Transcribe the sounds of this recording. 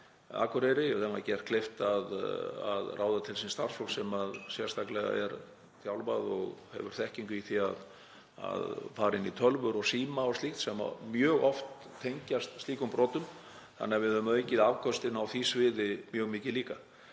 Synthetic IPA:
a̰ːkʏɾɛɾɪθɛmacɛr̥t̪kʰleft̪aða̰ðrʔaːwðat̪ʰɪlsinst̪aɾsfɔsɛmaðsjɛɾst̪ʰaklɛɣa̰ɛ̰ɾ | θjawlvaðɔ̰ɣhɛ̰vʏɾ̥θɛhciŋkʏiθiað | a̰ðfaːɾɪnːit̪ʰœlvʏɾɔɣsiːmaɔst̪lixt̪sɛma̰mjœːɣɔft̪ʰːejɲcast̪st̪iːkʏmpɾɔːt̪ʏm | θa̰nːɪːavɪðhʏmaejcɪðavkʰœst̪ɪnawθisvɪːðɪmjœːɣmɪːcɪliːka

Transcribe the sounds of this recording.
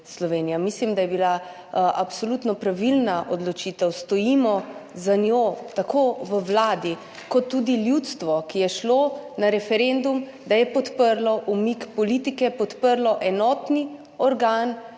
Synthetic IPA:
slɔʋeːnijamislimd̪ajɛbila | ʔapsolut̪nɔpɾaʋilnaʔod̪lɔt͡ʃiːt̪ɛwst̪ɔjimɔzanjot̪akʰoʋəwlaːd̪i | kɔt̪ːud̪iljut̪st̪ʋɔkijɛʃlonaɾɛfɛɾend̪um | d̪ajɛpɔt̪pəɾlɔʔumikpɔlit̪ikɛpɔt̪pəɾlɔʔɛnɔːt̪ni | ɔɾɡaːn

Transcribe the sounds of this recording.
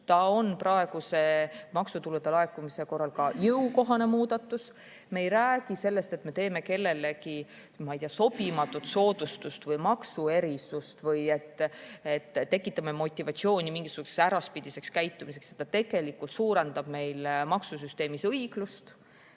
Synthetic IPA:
t̪ɑo̞nprɑe̞ɡ̥use̞mɑksut̪ulud̪elɑekˑumise̞ko̞rːɑlkɑjɯuko̞ɦɑne̞muːd̪̥ɑt̪ːˑus | me̞jɾæːɡ̥ise̞lːe̞st̪e̞t̪me̞t̪e̞ːme̞ke̞lːe̞le̞ki | mɑijt̪iɑso̞b̥imɑt̪ːˑut̪so̞ːd̪̥ust̪ust̪vɤjmɑksue̞ɾisust̪vɤje̞t̪ːet̪ːe̞kːˑit̪ːˑɑmemo̞t̪ʲːˑivɑt̪sio̞ːnʲimiŋɡisuku̥ssæɾɑspid̪̥ise̞kskæjt̪ːˑumis̬e̞ksjet̪ːɑt̪e̞ɡ̥e̞likːˑult̪suːɾend̪̥ɑb̥me̞jlmɑksusyst̪e̞ːmisɤjɡ̥lust̪

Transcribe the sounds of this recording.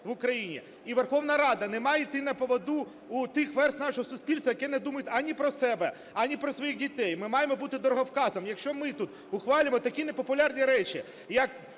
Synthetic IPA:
ʋʊkɾɐjinʲḭ | iʋerxɔʋnɐɾɑd̪ɐnɛmɑjɪt̪ɪnɐpɔʋɔd̪u | ut̪ɪxʋɛrsnɑʃɔɦɔsʊsʲpʲilʲst̪ʋɐjɐkɛnɛd̪umɐjʊt̪ʲɐnʲipɾɔsɛbɛ | ɐnʲipɾɔsʋɔjixdʲit̪ɛjmɪmɑjemɔbut̪ɪd̪ɔɾɔɦɔwkɑzɐmjɐkʃt͡ʃɔmɪt̪ut̪ | ʊxʋɑlʲɪmɔt̪ɐkʲinepɔpʊlʲɑrnʲiɾɛt͡ʃʲi | jɐk̚

